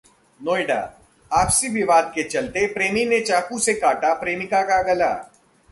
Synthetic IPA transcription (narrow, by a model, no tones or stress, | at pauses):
noːɪɖa̰ː | aːpsibʱiʋaːd̪̚ket͡ʃɐlt̪epɾeːminet͡ʃaːkusekaːʈapɾeːmikaɡaɡɐla̰ː